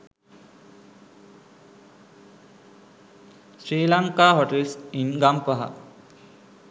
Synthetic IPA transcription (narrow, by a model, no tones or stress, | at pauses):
sɾiːlaŋkaːɦoʈelsinɡampaɦa̰